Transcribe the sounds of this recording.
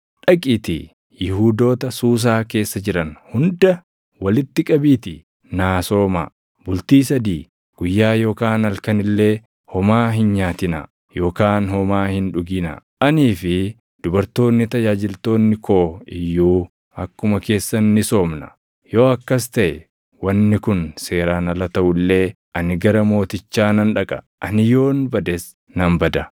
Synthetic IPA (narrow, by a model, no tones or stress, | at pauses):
ᶑɐkʼɪt̪ɪ̰ | jɪɦuːd̪o̞ːt̪ɐsuːs̬aːke̞ːsːɐd͡ʒɪɾɐnhʊnd̪ɐ | wɐlɪt̪ːɪkʼɐbiːt̪ɪ | naːso̞ːma̰ | bʊlt̪iːsɐd̪iː | ɡ̥ʊjːaːjo̞ːkaːnɐlkɐnɪlːe̞ː | hɔmaːɦɪnɲaːt̪ɪnɐ̰ | jo̞ːkaːnhɔmaːhɪnᶑʊɡɪnɐ̰ʔɐniːfɪ | d̪̥ʊbɐɾt̪o̞ːnːɪt̪ɐd͡ʒaːd͡ʒɪlt̪o̞ːnːɪkʰoːɪjːuː | ɐkːʊmɐke̞ːsːɐnːɪso̞ːmnɐ | jo̞ːɐkːɐs̬t̪ɐʔɛ | wɐnːɪkʊnse̞ːɾaːnɐlɐt̪ɐʔʊlːe̞ː | ʔɐnɪɡɐɾɐmo̞ːt̪ɪt͡ʃːaːnɐnᶑɐkʼɐ̥ | ʔɐnɪjo̞ːnbɐd̪ɛs | nɐmbɐd̪ɐ